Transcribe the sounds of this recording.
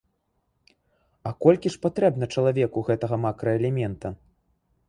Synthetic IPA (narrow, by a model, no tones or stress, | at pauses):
ɐkɔlʲkʲiʂpat̪ɾɛbnɐt͡ʂɐlˠavʲɛkuɣɛt̪ɐɣɐmakɾɐɛlʲɛmʲɛnt̪ɐ